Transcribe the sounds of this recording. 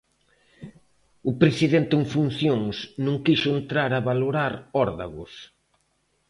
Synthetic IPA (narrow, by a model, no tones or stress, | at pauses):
ʊpɾesiðent̪ɪeŋfun̟θjoŋsnũŋkiʃʊent̪ɾaɾaβaloɾaɾɔɾðaɣʊ̰s